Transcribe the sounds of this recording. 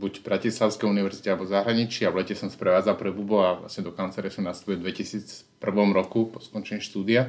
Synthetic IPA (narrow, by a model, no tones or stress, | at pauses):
buɟbɾacislaʊskɛjuniʋɛɾzicɛalɛbɔzaɦɾaɲit͡ʃiaʋlɛcɛsɔmspɾɛʋaːd͡zalpɾɛbubɔaʋla̰sɲɛd̪ɔkant͡sɛɾɛsɔmnast̪u̥pild̪ʋɛcisiːt͡s | pr̩ʋɔmɾɔkupɔskɔnt͡ʃɛɲiʃt̪uːd̪ia